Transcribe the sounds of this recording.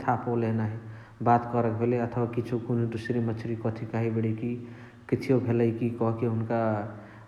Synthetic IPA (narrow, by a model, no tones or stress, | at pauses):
t̪ʰapʰolenaɦi | bat̪kɔɾək̚bʱeleət̪ʰwakit͡ʃʰokonud̪usɾemət͡ʃʰɾikɔt̪ʰikaɦibeɽeki | kit͡ʃʰijobʱeləikikɔɦkeɦʊnka